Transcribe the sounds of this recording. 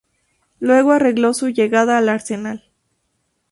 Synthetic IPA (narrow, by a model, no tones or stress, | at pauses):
lwe̞ɣoare̞ɣlo̞suʝe̞ɣaðaːlaɾse̞nal